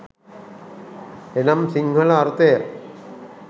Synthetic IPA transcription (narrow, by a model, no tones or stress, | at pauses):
enamsiŋɦɐlaːɾt̪eja